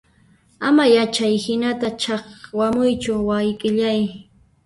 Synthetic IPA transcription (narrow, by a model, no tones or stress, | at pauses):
amajat͡ʃajhɪnat̪at͡ʃɑχwamʊjt͡ʃʊwajkʼɪʎaj